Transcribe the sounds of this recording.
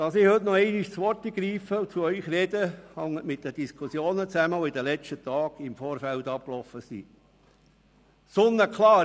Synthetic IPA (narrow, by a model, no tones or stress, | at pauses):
d̥ɑsɪhɵt̪nɔɛɪniʃt͡sʋɔɾtiɡɾiːfəut͡suœʏxrɛd̥̪əhɑŋːətmɪt̚d̥əd̥iskʰusjoːnət͡sæməɔid̪əlɛt͡ʃtət̪ɑːɡ̥ɪmfoːɾfæltɑp̚klɔfəsḭː | sʊnːəkʰlɑː